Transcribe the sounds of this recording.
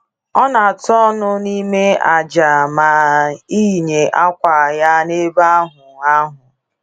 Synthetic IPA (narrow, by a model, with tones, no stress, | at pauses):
ɔ˦na˨tɔ˦nʊ˦ni˦me˦a˨d͡ʒa˨ma˨i˦ɲe˨ʔa˦kʷa˨ja˦ne˦ba˦ɦʊ˨a˦ɦʊ˨